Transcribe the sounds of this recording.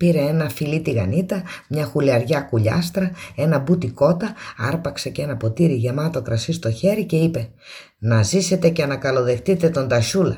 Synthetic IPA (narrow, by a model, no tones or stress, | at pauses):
piɾe̞enɐfilit̪iɣɐnit̪ɐmɲɐxuliɐɾʝɐkuʎɐ̰st̪ɾɐe̞nɐbut̪iko̞t̪ɐɐ̰ɾpɐkse̞cee̞nɐpo̞t̪iɾiʝe̞mɐt̪o̞kɾɐsist̪o̞çe̞ɾice̞ipe̞ | nɐzise̞t̪e̞cenɐkɐlo̞ðe̞xt̪it̪e̞t̪o̞nd̪ɐʃulɐ